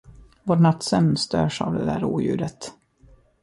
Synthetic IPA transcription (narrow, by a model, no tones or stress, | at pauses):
voɾnat̪ːsɛmnst̪ø̰ːʂa̰vd̪ɛd̪æːɾuːjʉ̟̰ːɾət̪